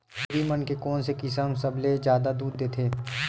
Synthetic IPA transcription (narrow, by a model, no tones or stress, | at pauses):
ʊɾimənkekɔːnsekɪsəmsɐbled͡ʒjaːd̪ad̪uːd̪ːeːt̪ʰeː